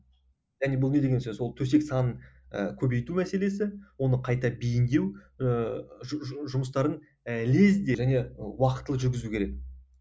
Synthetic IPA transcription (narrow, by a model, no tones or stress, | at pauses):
ʒæne̞bʊlˠne̞d̪eɡʲensɵzwo̞lˠt̪ʰɵse̞ksɑnəɴə̰kʲʰɵbe̞jt̪umæse̞le̞sɪwo̞nəqʰɑjt̪ɑbijɪnd̪e̞w | ʒʒʊməst̪ɑɾən | le̞zd̪eʒæne̞wɑqət̪ːəlˠəʒʏɾɡʲɪzukʲʰe̞ɾe̞k̚